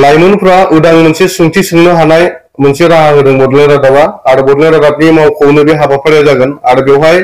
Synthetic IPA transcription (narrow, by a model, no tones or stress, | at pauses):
lajmɯnpʰɾaʔudaŋmɯnsesuŋtʰisɯŋnɯɦanaj | mɯnseɾaɦaɦɯdɯŋbɔdlɯɾatabaːɽubɔdleɾatap̚nimawkʰownɯbiɦabapʰaɽjazaɡɯnaɽɯbɛwɦaj